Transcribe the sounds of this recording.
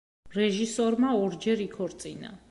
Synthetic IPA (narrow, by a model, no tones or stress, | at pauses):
ɾɛʒisɔɾmaɔɾd͡ʒɛɾikʰɔɾt̪sʼina̰